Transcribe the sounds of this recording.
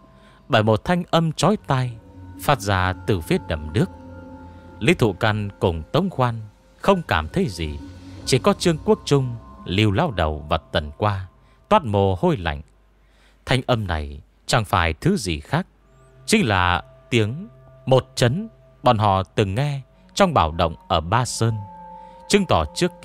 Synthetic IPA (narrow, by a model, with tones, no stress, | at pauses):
ɓəː˧˩jmo˨˩t̚t̪ʰa˧jŋ̟ʔə˧mt͡ɕɔ˨˦jt̪a˧jfaː˦˥t̚zaː˧˩t̪ɨ˨˩fi˨˦əɗə̰˧˩mɗɨ˦˥ək̚ | lḭ˧˥t̪ʰṵ˧˨ka˧nkʊ˨˩ŋ͡mt̪ə˨˦wŋ͡mxwaː˧n | xə˧wŋ͡mkaː˧˩mt̪ʰə˨˦jzḭ˨˩t͡ɕi˧˩kɔ˨˦t͡ɕɨ˧əŋku˦˥ək̚t͡ɕʊ˧ŋ͡mli˧wlaː˧wɗə˨˩wvaː˨˩t̪ə˨˩nkwaː˧ | t̪waː˦˥t̚mo˨˩ho˧jla̰˧˨jŋ̟ | t̪ʰa˧jŋ̟ʔə˧mna̰˨˩j | t͡ɕa˨˩ŋfaː˧˩jt̪ʰɨ˨˦zi˨˩xaː˦˥k̚ | t͡ɕï˨˦ŋ̟la̰ː˨˩ | t̪i˨˦əŋ | mo˨˩t̚t͡ɕə˨˦n | ɓɔ̰˨nɦɔ̰˧˨t̪ɨ˨˩ŋːɛ˧ | t͡ɕɔ˧wŋ͡mɓaː˧˩wɗə̰˧˨wŋ͡mʔəː˧˩ɓaː˧səː˧nt͡ɕɨ˧ŋt̪ɔ˧˩t͡ɕɨ˦˥ək̚